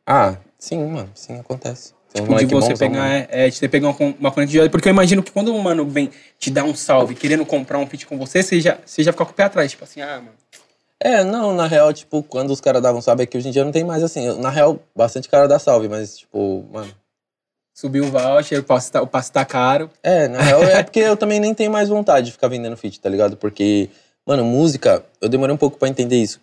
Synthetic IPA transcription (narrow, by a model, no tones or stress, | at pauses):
a | sĩmɐ̃nʊsĩakõnt̪ɛ̰sɪ̥ɐ̃ĩw̃p̪ɛɪvkososespeɡaɛɛt͡ʃɪt̪epeɡaũɐkõũmɐpl̃k̪ɐd͡ʒad̪ɐpʊɾkeewimaʒĩnʊkɪ̥kwɐ̃nd̪ʊumɐ̃nʊvẽj̃ | t͡ʃɪd̪aũsawvɪkeɾẽnd̪ʊkõmpɾaũpit͡ʃɪ̥kõvoseseʒaseʒafi̥kakõ̥peat̪ɾajst͡ʃi̥pʊasĩamɐ̃n | ɛnɐ̃w̃nɐɦeawt͡ʃi̥pʊkwɐ̃nd̪ʊːskaɾɐzd̪avɐ̃w̃sawvɪɛkɪoʒĩd͡ʒiɐñt̪ẽjʊ̃majzasĩewnɐɦeaw | bast̪ɐ̃nt͡ʃɪ̥kaɾɐd̪asawvɪmɐst͡ʃi̥pʊ̰mɐ̰̃nʊ | subiʊvawt͡ʃɪepɔsʊ̥t̪aʊpasʊ̥t̪akaɾʊɛnɐheawɛpoɾkeewt̪ɐ̃mbẽj̃nẽj̃t̪ẽɲ̃ʊmajzvõnt̪ad͡ʒɪd͡ʒɪfi̥kaɾvẽnd̪ẽnd̪ʊfit͡ʃɪ̥t̪aliɡad̪ʊpoɾke | mʔɐ̃nʊmuzikɐ | ewd̪emoɾejũpowkʊpɾɐẽnt̪ẽd̪eisʊ̥